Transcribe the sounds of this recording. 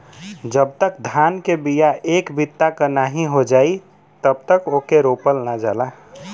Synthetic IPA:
d͡ʒəb̚t̪ək̚d̪ʱankebijaekbit̪ːakənaɦĩɦod͡ʒaːi | t̪əb̚t̪əkokeɾopəlnad͡ʒala

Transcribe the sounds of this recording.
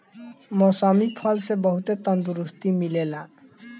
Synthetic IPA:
mɔsɔmipʰʌlsebʌɦut̪et̪ʌnd̪uɾust̪imilela

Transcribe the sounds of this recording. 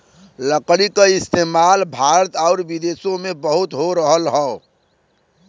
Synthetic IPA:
ləklikaɪst̪eːmalbʱaɾət̪ɔːɾbid̪eːsõmẽbəɦʊt̪ɦoɾəɦəlɦəo

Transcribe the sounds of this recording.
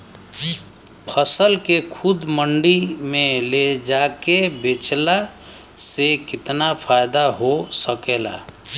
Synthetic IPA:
pʰəsəlkekʰʊd̪mə̃ɳɖimẽled͡ʒaːkebet͡ʃla | sekɪt̪napʰaːjd̪aɦosəkeːla̰ː

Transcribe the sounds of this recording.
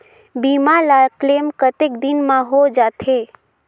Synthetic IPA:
biːmalaːkleːmkət̪ekd̪ɪnmãɦod͡ʒaːt̪ʰe

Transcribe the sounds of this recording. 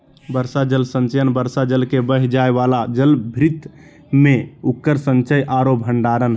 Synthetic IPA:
bəɾsad͡ʒəlsənt͡ʃəjənbəɾsad͡ʒəlkebəɦd͡ʒaebalad͡ʒəlbʱɾit̪ | meukːəɾsə̃nt͡ʃəjʔaɾopɦəɳɖaɾənɦ

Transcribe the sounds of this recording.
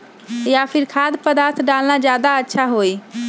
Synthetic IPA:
japʰiɾkʰad̪pəd̪aɾt̪ʰɖalnad͡ʒjad̪aətːʃʰaɦoj

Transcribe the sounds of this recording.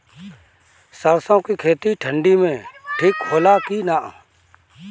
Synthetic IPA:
səɾsõːkiːkʰeːt̪iʈʰəɳɖiːmẽːʈʰɪkɦoːlaːkiːnaːʔ

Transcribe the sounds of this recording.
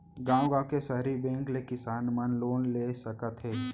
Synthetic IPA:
ɡãːwɡãːkesəɦɾibɛ̃ːŋklekɪsaːnmənloːnleːsəkət̪ɦɛː

